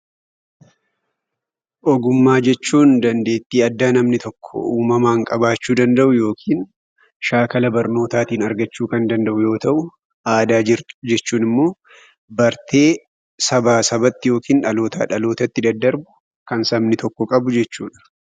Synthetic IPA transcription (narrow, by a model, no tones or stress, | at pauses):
ʔɔɡʊmːaːd͡ʒɛt͡ʃːuːnd̪ɐnd̪e̞ːt̪ːiːɐd̪ːaːnɐmnɪt̪ʰɔkʰːɔ̰ʔuːmɐmaːŋkʼɐbaːt͡ʃːuːd̪ɐnd̪ɐʔʊjo̞ːkʰiːn | ʃaːkɐlɐbɐɾno̞ːt̪aːt̪iːnɐɾɡɐt͡ʃːuːkɐnd̪ɐnd̪ɐʔʊjo̞ːt̪ɐʔʊ | ʔaːd̪aːd͡ʒɪɾt̪d͡ʒɛt͡ʃːuːnɪmːo̞ː | bɐɾt̪e̞ː | sɐbaːsɐbɐt̪ːɪjo̞ːkiːnᶑɐlo̞ːt̪ʰɐ̰ᶑɐlo̞ːt̪ɐt̪ːɪd̪ɐd̪ːɐɾbʊ̥ | kɐnsɐmnɪt̪ʰɔkːɔkʼɐbʊd͡ʒɛt͡ʃːuːᶑɐ̥